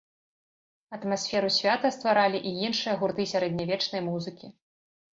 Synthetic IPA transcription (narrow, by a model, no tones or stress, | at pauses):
ɐt̪masʲfʲɛɾusʲvʲat̪ɐst̪vaɾalʲiʔijinʂɨjɐɣurt̪ɨsʲaɾɛd̪̚ʲnʲavʲɛt͡ʂnɐjmuzɨkʲi